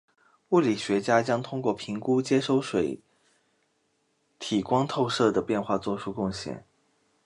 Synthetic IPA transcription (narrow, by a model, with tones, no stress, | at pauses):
u˥˩li˨˩ɕɥɛ˧˥t͡ɕja˥t͡ɕjɑ˥ŋt̪ʰʊ˥ŋkwɔ˥˩pʰi˧˥ŋku˥t͡ɕjɛ˥ʂo˥˧ʊʂwe˨˧˥ɪ | t̪ʰi˨˩kwɑ˥ŋt̪ʰo˥˧ʊʂɤ˥˩d̪ə˩pjɛ˥˧nxwa˥˧t͡swɔ˥˩ʈ͡ʂʰu˥kʊ˥˧ŋɕjɛ̰˥˩n